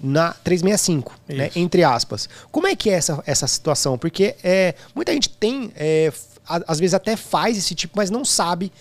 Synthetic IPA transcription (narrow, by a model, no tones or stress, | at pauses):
nɐt̪ɾejzmejɐsĩŋkʊ̥inɛʔẽnt̪ɾɪaspɐskõmʊɛkɪɛɛsɐʔɛsɐsi̥t̪uasɐ̃w̃poɾkeɛmũj̃t̪ɐʒẽnt͡ʃɪ̥t̪ẽj̃ɛ | aazvezɪzat̪ɛfajzesɪt͡ʃipʊmɐznɐ̃w̃sabɪ